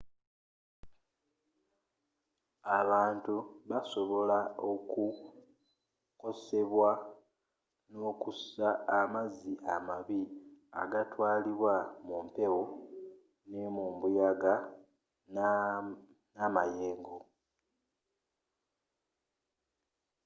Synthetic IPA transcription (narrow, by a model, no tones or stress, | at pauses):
aβaːntuβaso̞βo̞laoku | ko̞se̞βwa | no̞ːkusaːmaziʔamaβia̰ɡatwaːliβwamumpe̞wo | nemuːmbujaɡa | n | namaje̞ːŋɡo